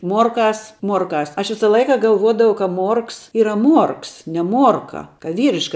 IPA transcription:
ˈmuɔrˌkɑːs ˈmuɔrˌkɑːs ˈɐʃ ˈʋʲɪsɐ ˈlˠɐɪkɐ ɡɐlˠˈʋuɔdɐʋɐʊ kɐ ˈmuɔrks ˈiːrɐ ˈmuɔrks nʲɛ ˈmuɔrkɐ kɐ ˈʋʲiːrʲɪʃkɐ

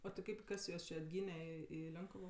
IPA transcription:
oː tʲɪ ˈkɐɪp ˈkɐs juɔs t͡ʃʲɪ ɐdʲˈɡʲiːnʲɛ ˈɪ ɪ ˈlʲoːŋkʊʋoː

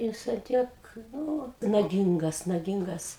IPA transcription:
ˈjɪs ɐn ˈtʲiɛk ˈnʊ nɐˈɡʲɪŋɡɐs nɐˈɡʲɪŋɡɐs

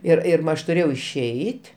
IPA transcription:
ˈɪr ɪr ˈmɐ ˈɐʃ tʊˈrʲeːjɛʊ ɪʃʲˈɛɪtʲ

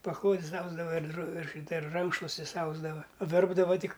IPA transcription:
pɐˈklˠoːdʲɪs ˈɐʊzdɐʋɐ ɪr droː ɪr ˈʃʲiːtɐ ɪr ˈrɐŋkʃlˠuɔsʲtʲɪs ˈɐʊzdɐʋɐ ˈʋʲɛrbdɐʋɐ ˈtʲɪk

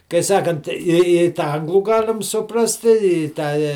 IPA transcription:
kɐɪ ˈsɑːkɐnt ɪ ɪ tɑː ˈɐŋɡlˠuː ˈɡɑːlʲɪm sʊˈprɑːsʲtʲɪ ɪ ˈtɑː

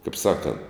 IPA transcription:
kɐɪp ˈsɑːkɐnt

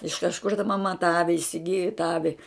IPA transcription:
ɪʃ kɐʃˈkʊr tɐ mɐˈmɐ tɑː ˈɑːʋʲɪ ɪsʲɪˈɡʲɪjʊ tɑː ˈɑːʋʲɪ

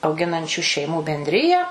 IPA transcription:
ɐʊˈɡʲɪnɐnʲt͡ʃʲʊ ʃʲɛɪˈmuː bʲɛnʲdʲˈrʲɪjæː

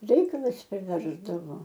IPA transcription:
ˈrʲɛɪkɐlˠɐs pʲrʲɪˈʋʲɛrzdɐʋoː

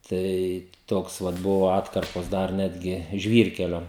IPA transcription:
ˈtɐɪ ˈtoːks ˈʋɐt ˈbʊʋoː ˈɑːtkɐrpoːs ˈdɐr ˈnʲæːdʲɡʲɪ ˈʒʲʋʲiːrʲkʲɛlʲoː

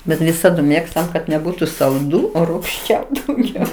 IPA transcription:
ˈbʲɛt ʋʲɪˈsɑːdʊ ˈmʲeːkstɐm kɐt nʲɛˈbuːtʊ sɐlˠˈduː oː ruːkˈʃʲt͡ʃʲɛuː dɐʊˈɡʲɛʊ

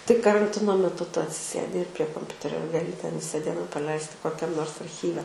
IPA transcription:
tɐɪ kɐrɐnʲˈtʲɪnoː mʲɛˈtʊ ˈtʊ ɐtʲsʲɪˈsʲeːdʲɪ ɪr pʲrʲiɛ koːmʲˈpʲʊtʲɛrʲoː ɡɐˈlʲɪ tʲɛn ˈʋʲɪsɐ ˈdʲiɛnɐ prɐˈlʲɛɪsʲtʲɪ koːkʲˈɛm ˈnoːrs ɐrʲˈxʲiːʋʲɛ

